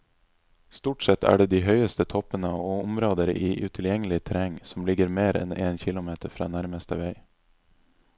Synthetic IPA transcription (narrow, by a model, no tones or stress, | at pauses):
st̪uːʈsɛt̪ʰːæ̰ːɖeːd̪iːɦœʏəst̪ət̪ʰɔpənəoʊmɾoːd̪əɾiːʔʉt̪ʰɪljɛŋəlɪt̪ʰɾɛŋsɔmlɪɡəɾmeːɾɛ̰neːnçɪlʊmeːt̪əɾfɾɑ̰ːnæɾməst̪ə̰ʋeɪ